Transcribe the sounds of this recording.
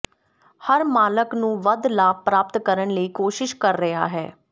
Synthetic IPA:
həɾmaːləknũːʋəd̪laːpɾaːpt̪kəɾəɳləiːkoːʃɪʃkəɾːəɦa̰ːɦɛː

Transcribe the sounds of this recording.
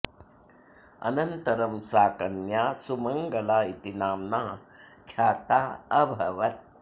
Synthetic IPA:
ɐ̰nɐnt̪ɐɾɐmsaːkɐnjaːsumɐŋɡɐlaːit̪inaːmna | kʰjaːt̪aːɐbʱɐʋɐt̪̚

